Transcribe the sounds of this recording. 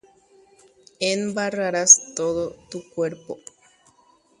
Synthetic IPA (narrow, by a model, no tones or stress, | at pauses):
embaraɾast̪oðot̪ukweɾpo̰